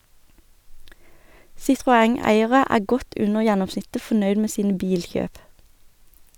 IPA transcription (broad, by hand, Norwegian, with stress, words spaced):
sɪtʁʊˈæŋˌæɪəʁə ˈæː ˈɡɔt ˈʉnəʁ ˈjɛnɔmˌsnɪtə fɔˈnœʏd ˈmeː ˈsiːnə ˈbiːlˌçøːp